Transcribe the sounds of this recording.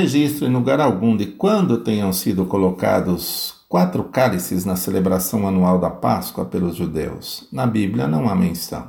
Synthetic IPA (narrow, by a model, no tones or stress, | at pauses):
eʒist̪ɾʊẽluɡaɾawɡũd̪ɪkwɐ̃nd̪ʊt̪ẽɲɐ̃w̃sid̪ʊkoloka̰d̪ʊskwat̪ɾʊkalisɪznɐselebɾasɐ̃w̃anuawd̪ɐpa̰skwɐ̰pelʊzʒud̪ḛwsnɐbiblʲjɐnɐ̃w̃amḛ̃sɐ̰̃w̃